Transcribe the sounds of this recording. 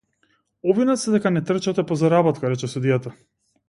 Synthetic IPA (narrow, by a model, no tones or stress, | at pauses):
ɔvinat̪sɛd̪ɛkanɛt̪r̩t͡ʃat̪ɛpɔzaɾabɔt̪kaɾɛt͡ʃɛsud̪ijat̪a